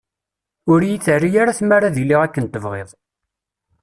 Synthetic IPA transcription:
ʊɾjiθərːijaɾaθmaɾaðiliʁækːənt̪əvʁeðˤ

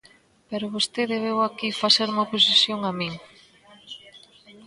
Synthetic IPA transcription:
peɾoβost̪eðeβ̞ewakifaseɾumɐopos̬isjoŋamĩŋ

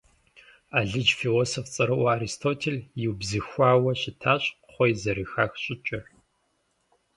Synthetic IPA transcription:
aːɮɨd͡ʒfiloːsoft͡sʼɐɾɐwaːɾistʰoːtʰeljiwbzɨxʷaːwɐɕɪtʰaːɕʼ | χʷɔjzɐɾixaːxɕʼɪt͡ʃʼɐr

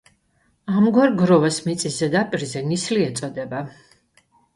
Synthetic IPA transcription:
amɡwaɾɡɾɔvasmit̪sʼizɛd̪apʼiɾzɛnisliɛt̪sʼɔd̪ɛba

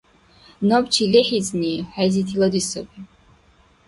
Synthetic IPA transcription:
nɔbt͡ʃʰilɛħizniħɛzit̪ʰilˠɔd̪isɔbi

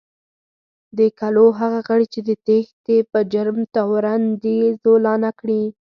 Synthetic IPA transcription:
d̪əkaloɦaɣaɣəɽit͡ʃed̪ət̪ext̪epəd͡ʒaɾmt̪awɾand̪izolɑnakɽi

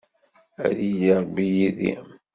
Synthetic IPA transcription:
æ̰ðijiɾˤbijiðḭ

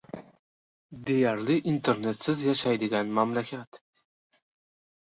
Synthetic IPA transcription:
d̪e̞jaɾlɪʔint̪ʰeɾne̞t̪sɪzjaʃajd̪ɪɡʲanmamlakʲʰat̪

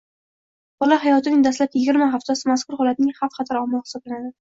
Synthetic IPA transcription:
b̥ɒlaɦajɒt̪ʰɪnɪŋd̪aslapjɪɡʲɪɾmaɦaft̪ʰasɪmaskʊɾhɒlat̪̚nɪŋhafqʰɑt̪ʰaɾɒmːɒhɪ̥sɒblanad̪ɪ

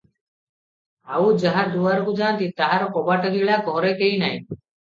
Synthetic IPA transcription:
a̰ud͡ʒaɦaɾd̪uʋaɾkud͡ʒaːnt̪it̪aɦaɾɔkɔbaʈəɡiɭakɔɦɾekeinaj

